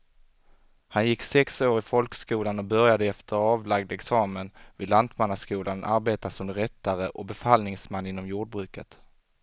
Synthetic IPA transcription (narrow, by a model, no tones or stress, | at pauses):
hanjɪkːsɛksoːɾɪfɔlkskuːlanɔbœɾjad̪əɛft̪ʰəɾɑːvlaɡ̚d̪ɛksɑːmənvɪːd̪lant̪manːaskuːlʔanʔa̰ɾbeːt̪asɔmd̪ɾɛt̪ːaɾəʔɔbɛfalnɪŋsmanːɪnːɔmjuːɖ̚bɾʉ̟ːkət̪